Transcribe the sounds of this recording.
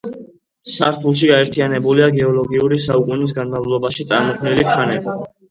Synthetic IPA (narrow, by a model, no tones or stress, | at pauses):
saɾt̪ʰulˠʃiɡaɛɾt̪ʰianɛbuliaɡɛɔlˠɔɡiuɾisaukʼunis̬ɡanmavlˠɔbaʃit̪sʼaɾmɔkʰnilikʰanɛba